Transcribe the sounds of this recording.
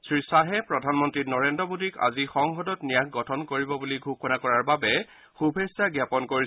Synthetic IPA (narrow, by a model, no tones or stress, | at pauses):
sɹisaɦɛpɹɔdʱanmɔntɹitnɔɹendɹɔbudika̰zixɔŋxɔdɔtnijakʰɡɔtʰɔnkoɹibɔbuliɡʱuxɔnakɔɹaɹbabɛ | xubʱesaɡjapɔnkoɹi